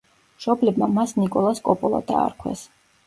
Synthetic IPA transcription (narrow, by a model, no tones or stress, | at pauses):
mʃɔblɛbmamasnikʼɔlˠaskʼɔpʼɔlˠa̰d̪a̰ːɾkʰwɛ̰s